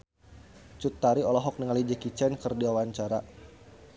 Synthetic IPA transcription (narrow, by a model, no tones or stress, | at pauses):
t͡ʃut̪ːaɾiɔlɔɦɔk̚nəŋalid͡ʒɛkit͡ʃɛnkərdiawaɲt͡ʃaɾa